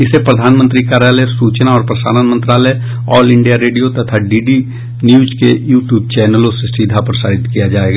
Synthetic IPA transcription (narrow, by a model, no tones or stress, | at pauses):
ɪsepɾɐd̪ʱaːnmə̃nt̪ɾikaːɾalesuːt͡ʃnaɔːɾpɾɐsa̰ːnanmə̃nt̪ɾaːlə | ɔːlɪ̃ɳɖijaɾeːɖijot̪ɐt̪ʰaɖiːɖi | njuːd͡ʒkejuːʈjuːb̚t͡ʃɛːnəlõsesiːd̪ʱapɐɾsaːɾɪt̪kijad͡ʒaːeːɡaː